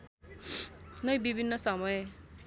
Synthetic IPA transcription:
nʌjbibʱinːʌsʌmʌje

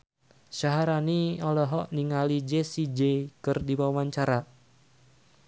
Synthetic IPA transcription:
ʃaɦaɾaniɔlɔɦɔʔniŋalid͡ʒesid͡ʒekɨrdiwawaɲt͡ʃaɾa

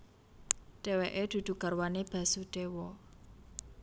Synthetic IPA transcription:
ɖ̥eweʔed̪̥ṳd̪̥ṳkarwaneb̥a̤suɖ̪̥ewɔ

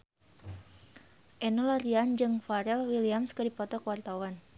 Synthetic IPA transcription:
ʔɛnɔlaɾiand͡ʒɨŋfaɾɛlwiliamskədipɔt̪ɔkəwart̪awan

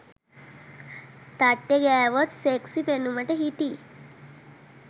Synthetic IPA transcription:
t̪aʈːeɡajʋət͡sseksipenumaʈeɦit̪i

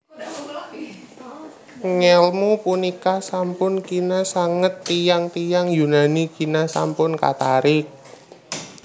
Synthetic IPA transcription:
ŋɛlmupunikasampʊnkinasaŋət̪ːijaŋt̪ijaŋjunanikinasa̰mpʊnka̰t̪aɾɪk̚

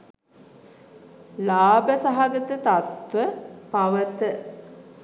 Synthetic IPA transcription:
laːbəsaɦaɡət̪ət̪at̪ʋəpaʋət̪ə

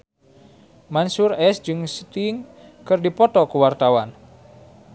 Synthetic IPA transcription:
mansurɛsd͡ʒɨŋst̪iŋkɨrdipɔt̪ɔkuwart̪awan

